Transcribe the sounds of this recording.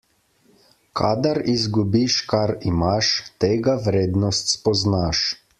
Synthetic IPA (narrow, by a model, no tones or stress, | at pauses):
kʰad̪aɾizɡubiʃkaɾimaʃt̪eːɡaʋɾeːd̪nɔst̪spɔznaʃ